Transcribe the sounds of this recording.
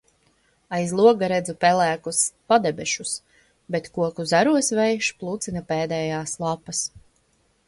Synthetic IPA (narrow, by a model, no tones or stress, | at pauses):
ajzlˠuɔɡaɾɛd̪zupɛlæːkuspad̪ɛbɛʃus | bɛt̪kuɔkuzaɾuɔsvɛjʃplˠut̪sinapɛːd̪ɛːjaːslˠapːɐs